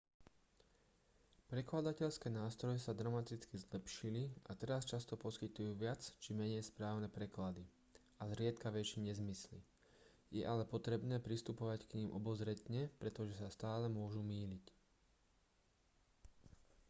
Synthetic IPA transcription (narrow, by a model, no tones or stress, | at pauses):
pɾɛklad̪acɛʎskɛːnaːst̪ɾɔjɛsad̪ɾamat̪it͡skizlɛpʃiliʔat̪ɛɾast͡ʃast̪ɔpɔskit̪ujuːʋɪat͡st͡ʃimɛɲɛjspɾaːʊnɛpɾɛklad̪i | azɾɪɛt̪kaʋɛt͡ʃiɲɛzmislḭ | jɛʔalɛpɔt̪ɾɛbnɛːpɾist̪upɔʋackɲiːmʔɔbɔzɾɛt̪ɲɛpɾɛt̪ɔʒɛsast̪aːlɛmʊɔʒumiːlic